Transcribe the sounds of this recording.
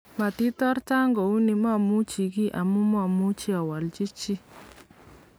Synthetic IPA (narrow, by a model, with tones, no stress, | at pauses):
ma˨t̪i˦t̪ɔ˦ɾta˦ŋɡɔ˨u˦ni˨mɔ˦˨mu˦t͡ʃi˨ɡi˦ʔa˨mu˦mɔ˦˨mu˦t͡ʃi˦a˨wa˨lt͡ʃi˦t͡ʃi˦